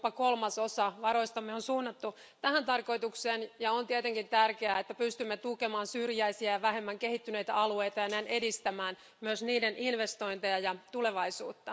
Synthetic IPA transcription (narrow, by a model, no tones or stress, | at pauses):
pɑkolmɑsosɑʋɑɾo̞ist̪ɑmːeonsuːnːɑt̪ːu | t̪æhænt̪ɑrko̞it̪ukseːnjɑont̪iet̪eŋkint̪ærkeæet̪ːæpyst̪ymːet̪ukemɑːnsyrjæisiæjɑʋæɦe̞mːæŋkehit̪ːyne̞jt̪æɑlue̞jt̪ɑjɑnænʔedist̪æmæːn | myøsniːdenʔinʋest̪o̞int̪ejɑjɑt̪ule̞ʋɑisuːt̪ːɑ